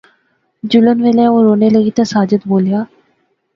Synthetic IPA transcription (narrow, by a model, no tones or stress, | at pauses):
d͡ʒʊlənʋeleoːɾoːneləɡit̪ɐsaːd͡ʒət̪boːlijaː